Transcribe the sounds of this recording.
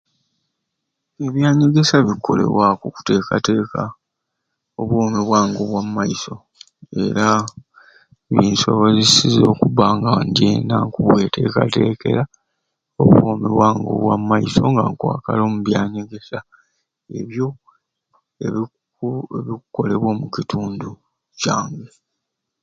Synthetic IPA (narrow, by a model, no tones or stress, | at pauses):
e̞βjaːɲeɡe̞saβikʰːo̞̰le̞̰βwakuku̥te̞ːkate̞ːka | oβwoːmiβwaːŋɡo̞βwamːaiso̞ | e̞̰ɾa | βiːnsoβazisizo̞ːkuβaŋɡandienaŋkuβwe̞tʰe̞ːka̰te̞ːke̞̰ɾa | oβwoːmiβwaːŋɡo̞̰βwamːaiso̞ŋɡa̰ŋkwa̰ːka̰lo̞ːmuβjaːɲeɡe̞sa | e̞βjo̞ | e | eβiku̥ko̞le̞βwomucitʰuːndu | caːŋɡe